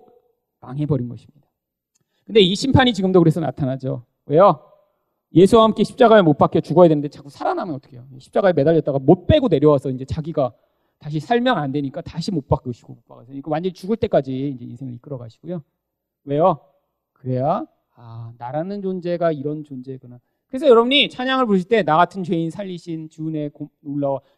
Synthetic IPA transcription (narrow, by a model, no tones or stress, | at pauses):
maŋɦe̞bʌɾinɡʌɕʰi̥mɲid̥ḁ | kɯnde̞iɕʰimpʰaɲit͡ɕiɡɯmdokɯɾe̞sʰʌna̰tʰanad͡ʑo | we̞jʌ | je̞sʰuwahamk͈e̞ɕʰi̥p̚t͡ɕ͈aɡaeɭmot̚p͈ak͈ijʌt͡ɕuɡʌjadwenɯnd̪et͡ɕak͈usʰaɾanamjʌnʌt͈ʌ̥kʰejoɕʰi̥p̚t͡ɕ͈aɡaeɭme̞daʎːʌt͈aɡamot̚p͈e̞ɡone̞ɾjʌwasʰʌind͡ʑe̞t͡ɕaɡiɡa | taɕ̬ʰisʰaɭmjʌŋandwe̞ɲik͈ataɕʰimot̚p͈ak͈oɕʰi̥ɡomot̚p͈a̰kʰasʰʌɲikawand͡ʑeɾit͡ɕuɡɯɭt͈e̞k͈ad͡ʑiind͡ʑe̞insʰe̞ŋɯɾik͈ɯɾʌɡaɕʰi̥ɡ̥ojo | we̞jo | kɯɾe̞ja | anaɾanɯnt͡ɕond͡ʑe̞ɡaiɾʌnt͡ɕond͡ʑe̞ɡʌna | kɯɾe̞sʰʌjʌɾʌbuɲit͡ɕʰaɲaŋɯɭpoɯɕʰiɭt͈e̞naɡatʰɯnt͡ɕwe̞insʰaʎːiɕʰint͡ɕine̞kooɭːawa